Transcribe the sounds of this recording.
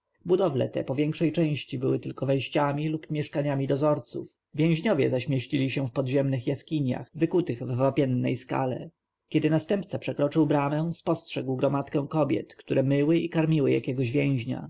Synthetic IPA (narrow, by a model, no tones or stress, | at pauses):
bud̪ɔvlɛ̰t̪ɛ̰pɔvʲjɛŋkʂɛjt͡ʂɛ̃j̃ɕt͡ɕibɘwɘt̪ɘlkɔvɛj̃ɕt͡ɕamʲilupmʲjɛʂkaɲamʲid̪ɔzɔɾt̪sṵf | vʲjɛ̃w̃ʑɲɔvʲjɛzaɕmʲjɛɕt͡ɕilʲiɕɛfpɔd̪ʑɛmnɘxjaskʲiɲja̰xvɘkut̪ɘɣvːapʲjɛnːɛ̰jska̰lɛ̰ | kʲɛd̪ɘnast̪ɛmpt̪sapʂɛkɾɔt͡ʂɘwbɾamɛ̃spɔstʂɛɡwɡɾɔmat̪kɛ̃w̃kɔbʲjɛ̰t̪kt̪uɾʔɛmɘwɘikaɾmʲiwɘja̰kʲɛɡɔʑvʲjɛ̃w̃ʑɲa̰